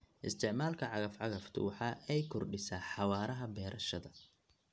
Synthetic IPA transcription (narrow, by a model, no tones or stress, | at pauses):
ʔɪ̰st̪ʰɪʕmaːlkʰɐʕɑɣɐfʕɑɣɐft̪ʰʊ̰wɑħɑːʔɛjkʰɔrɖɪsaːħɑwaːɾɐɦɐbɛːɾʔɐʃɐðɐ